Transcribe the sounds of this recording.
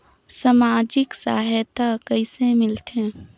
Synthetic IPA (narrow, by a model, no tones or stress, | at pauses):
samaːd͡ʒɪksaːɦt̪akəɪsemɪlt̪ẽː